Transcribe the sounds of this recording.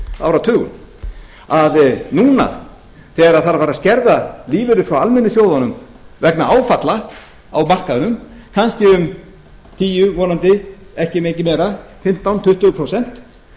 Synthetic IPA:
a̰ːwɾat̪ʰʏːɣʏ̰n | aðnuːna̰ | θɛɾaðθaɾafaːɾaðscɛɾðaliːvʏɾʏfɾawalmɛnːɪsjoːwðanʏm | vɛknaaːwfat̪la | awmar̥kaðʏnʏm | kʰanscɪʏm | t̪ʰiːjʏvɔːnant̪ɪ | ɛhcɪmeːcɪmɛːɾafɪm̥t̪awnt̪ʰʏht̪ʏpʰɾowsɛn̥t̪

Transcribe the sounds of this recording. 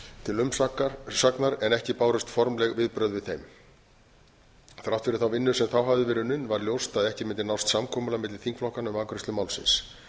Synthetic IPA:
t̪ʰɪlʏmsaknaɾɛnɛhcɪpaːwɾʏst̪fɔɾmlɛɣvɪðpɾœðvɪðθejm | θɾaw̥t̪fɪɾɪɾθawvɪnːʏsɛmθawɦavðɪvɛːɾʏnʏnːvaɾljowst̪aðɛhcɪmɪnt̪ɪnawst̪samkʰɔːmʏlamɪt̪lɪ̥θiŋkflɔhkanʏmaːkɾɪst̪ʏmawlsɪ̰ns

